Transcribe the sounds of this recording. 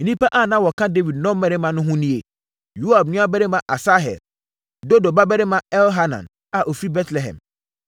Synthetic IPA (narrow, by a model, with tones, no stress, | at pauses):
nĩ˦pa˦ʔa˦˨nã˦˨wɔ˨kʰã˦de˦vi˨d̚nɔ̃˦m˦mɛ˨ɾɪ˦mã˨nʊ̃˦ɦʊ̃˦nĩ˦e˨ | ju˦a˨b̚nʊ̃˦a˦bɛ˦ɾɪ˦mã˨ʔa˨sa˦ɦɛ̰˨l | do˦do˨ba˦bɛ˦ɾɪ˦mã˨ɛ˦lɦa˦nã̰˨n | a˨ʔo˨fi˦bɛ˦tʰlɛ˨ɦɛ̰̃˨m